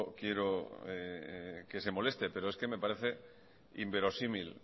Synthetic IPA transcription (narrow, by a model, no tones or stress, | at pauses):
kje̞ɾoeke̞se̞mo̞le̞st̪e̞pe̞ɾo̞eske̞me̞paɾe̞θe̞ | imbe̞ɾo̞simil